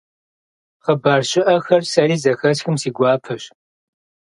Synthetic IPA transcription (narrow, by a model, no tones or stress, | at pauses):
χəbaːrɕɪʔɐxɐrsɐɾiːzɐxɐsxɨmsiːɡʷɑːpʰɐɕ